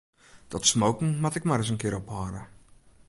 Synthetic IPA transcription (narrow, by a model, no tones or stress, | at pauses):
d̥ɔtsmowkŋ̩matɪkmaɾɪs̬ənkɪəɾɔphaːɾə